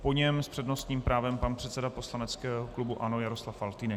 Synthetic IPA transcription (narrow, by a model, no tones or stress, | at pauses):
poɲɛmspr̝̥ɛdno̞st̪ɲiːmpɾaːvɛmpanpr̝̥ɛt̪sɛdapo̞slanɛt͡skɛːɦoklubuʔano̞jaɾoslafalt̪iːnɛ